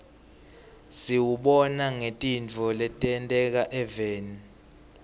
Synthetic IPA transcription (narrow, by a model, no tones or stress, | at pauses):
siwuɓɔnaŋetʼint͡fɔlɛtʼɛntʼɛk̬aʔɛvɛːni